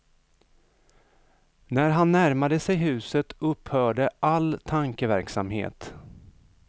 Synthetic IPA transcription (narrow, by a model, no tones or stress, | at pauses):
næɾɦanːæɾmad̪əsɛjɦʉ̟ːsət̪ɵphœːɖəʔalt̪ʰaŋkəvæɾksamhḛːt̪